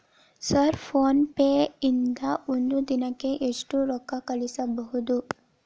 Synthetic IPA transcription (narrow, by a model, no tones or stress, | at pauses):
sɐɾpʰoːnpeːind̪ɐond̪ud̪inɐkːe̞ʔeʂʈuɾɔkːɐkɐɭisɐbɐɦud̪u